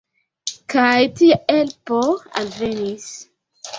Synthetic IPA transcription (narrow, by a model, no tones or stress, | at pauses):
kajtiɛlpɔa̰lvɛnis